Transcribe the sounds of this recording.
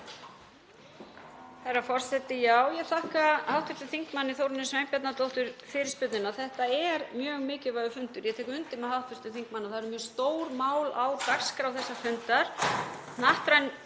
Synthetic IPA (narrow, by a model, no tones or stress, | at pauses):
θaɾafɔr̥sɛt̪ɪjaːwjɛθahkahawht̪fʏɾt̪ʏθiŋkmanːɪθowɾɪnɪsmejmpjɛt̪nat̪owht̪ʏɾfɪɾɪɾspʏt̪nɪnaθɛht̪aɛɾmjœːɣmɪːcɪvaːɣʏfʏnt̪ʏɾjɛt̪ʰɛːkʏʏnt̪ɪnmɛðhɦawt̪fʏɾt̪ʏθiŋkmanːaθaɾmjœːst̪oːwɾmaːwlawk̪ar̥skaɾawθɛsːafʏnt̪aɾ̥ | naht̪ɾajn